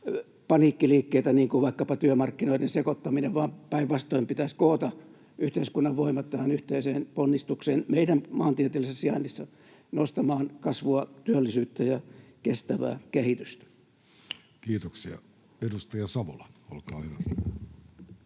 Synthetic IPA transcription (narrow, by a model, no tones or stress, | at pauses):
pɑniːkːiliːkːeit̪æniːŋkuʋɑikːɑpɑt̪yømɑrkːinoidensekot̪ːɑmineʋʋɑːmpæiʋʋɑst̪oimpit̪æskoːt̪ɑ | ʔyht̪eiskunːɑʋʋoimɑt̪t̪ːæhænyht̪eiseːnponːist̪ukseːnmeidæmmɑːnt̪iet̪ilːissiɑnːisːɑ | nost̪ɑmɑːnkɑsʋuɑt̪yølːisyːt̪ːæjɑkest̪æʋæ̰ːkehit̪yst̪æ̥ | kiːt̪oksiɑ̰ | edust̪ɑjɑsɑʋolɑolkɑːhyʋæst̪æn